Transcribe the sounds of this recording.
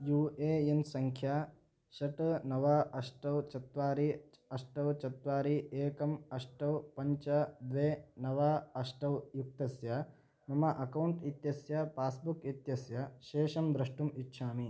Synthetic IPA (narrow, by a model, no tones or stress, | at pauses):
juːeːensɐŋkʰjaː | ʃɐʈnɐʋaːɐʂʈɐwt͡ʃɐt̪ʋaːɾi | ɐʂʈɐwt͡ʃɐt̪ʋaːɾiʔeːkɐmɐʂʈɐwpɐɲt͡ʃɐd̪ʋeːnɐʋaːɐʂʈɐwjuk̚t̪ɐsjɐ | mɐmɐʔɐkɐwɳʈit̪jɐsjɐpaːsbukit̪jɐsjɐʃeːʃɐmd̪ɾɐʂʈumitːʃʰaːmi